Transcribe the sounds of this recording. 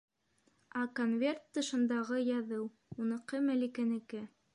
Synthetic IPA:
ɑkonvʲert̪ːɤ̆ʃɤ̆nd̪ɑʁɤjɑðɤw | unɤ̆qɤmælikænɘ̆kɘ

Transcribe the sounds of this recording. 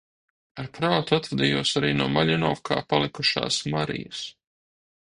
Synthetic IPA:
aɾpɾaːt̪uat̪vɛd̪iːjuɔsaɾiːnuɔmaʎʲinɔfkʰa̰ːpalˠikuʃa̰ːsmaɾḭjəs

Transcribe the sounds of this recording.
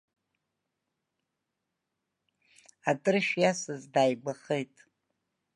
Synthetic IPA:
atʼɨrʃjasɨzdaːjɡʷaχejtʼ

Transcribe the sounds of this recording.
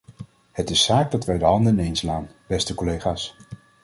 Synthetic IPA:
hətɪsaːɡ̚dɑtʋɛjdəɦɑndəɪnejnslaːnbɛstəkɔlejχaːs

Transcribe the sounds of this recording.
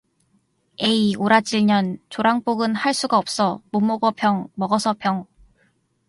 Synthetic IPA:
e̞ioɾat͡ɕiɭɲʌnt͡ɕoɾaŋp͈oɡɯnhaɭs͈uɡaʌp̚s͈ʌmomːoɡʌpʰjʌŋmʌɡʌsʰʌpʰjʌŋ

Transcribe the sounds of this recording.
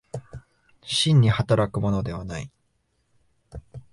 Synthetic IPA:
ɕĩɲ̟ːihat̪aɾakɯ̟mo̞no̞d̪e̞β̞anai

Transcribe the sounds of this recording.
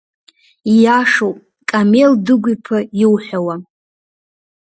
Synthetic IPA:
ijaʂowpʼ | kʼameldɨɡʷipʰɨjɪwħʷᶣawa

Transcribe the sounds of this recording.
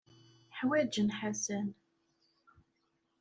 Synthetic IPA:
ħwæd͡ʒənħasæn

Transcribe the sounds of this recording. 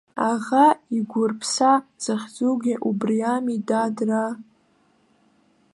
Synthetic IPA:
aʁaiɡʷʊrpʰsaz̥ɨχʲd͡zuɡʲɪʔubrijamidadra

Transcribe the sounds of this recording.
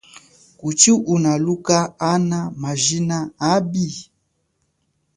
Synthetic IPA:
kut͡ʃiʔunalukaːnamaʒinaabi

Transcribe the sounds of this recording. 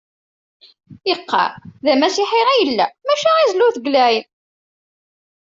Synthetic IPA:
iqːɑ̰ðæmæsɪħeʁijəlːæmæʃæizluθɡlæjn

